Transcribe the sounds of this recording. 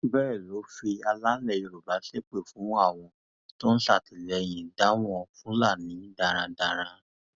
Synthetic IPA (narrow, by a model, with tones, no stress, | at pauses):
bɛː˦˨lo˨˦fi˧a˧la˦lɛ˧˨jo˧ɾu˨ba˨˦ɬe˦k͡pe˦˨fũ˨˦a˦˨w̃ɔ̃˧ | to˦n̩˦ɬa˦˨ti˨lɛ˧˨j̃ĩ˨da˨˦w̃ɔ̃˧fũ˦la˦˨nĩ˨˦da˧˨ɾ̃ã˧da˧ɾ̃ã˧˦